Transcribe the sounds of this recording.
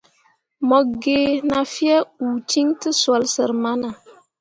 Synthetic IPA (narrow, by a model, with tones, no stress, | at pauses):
mɔ˨ɡe˨na˨fi˦ɛ˦u˨ti˦ŋtɨ˦swa˨lsə˨ɾma˦na˨